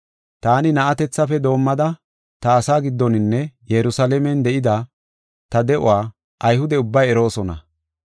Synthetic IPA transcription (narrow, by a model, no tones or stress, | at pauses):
t̪aːnɪnɐʔɐt̪ɛt͡sːɐfɛd̪o̞ːmːɐd̪ɐ | t̪ɐːsaːɡɪd̪ːɔnɪnːɛjɛɾʊsɐlɛmɛnd̪ɛʔɪd̪ɐ | t̪ɐd̪ɛʔʊ̰waː | ʔɐjhʊd̪ɛʊbːɐjɛɾo̞ːsɔnɐ̰